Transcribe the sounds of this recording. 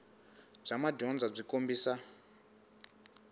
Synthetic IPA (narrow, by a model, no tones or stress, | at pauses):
b͡ʐamadɔnd͡zab͡ʐikombiːsa